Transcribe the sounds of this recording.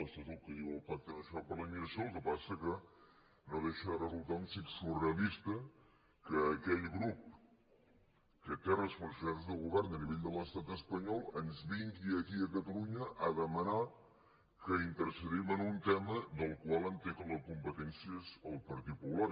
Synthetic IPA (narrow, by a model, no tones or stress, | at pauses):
əst̪ət̪ulkəðiwəlˠfak̚t̪ənəʃɔpəɾləimiɾəsioːlˠkəpasəkə | noðeʃəðərəzulˠt̪aunsiksureəlist̪ə | kəːkɛʎɣɾup̚ | kət̪erəspəɾsuaɾzðəlˠɣuβɛɾnəniβeʎd̪ələst̪at̪əspəɲɔlˠənzβiŋɡiəkiəkət̪əluɲəʔəðəməna | kəint̪əɾsəðimənunt̪ɛməd̪əlˠkwalˠənt̪eɣələkumpət̪ɛnsiəzəlˠpəɾt̪it̪̚pupulaɾ